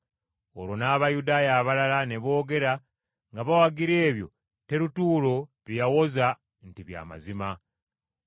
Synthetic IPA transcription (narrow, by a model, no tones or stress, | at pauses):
o̰ɾwo̞naːβajudaːjaːβalalane̞βo̞ːɡe̞ɾa | ŋɡaβawaɡiɾe̞ːβjo̞̰ | te̞ɾutuːlo̞ɾijawo̞za | n̩tiβja̰ːma̰zima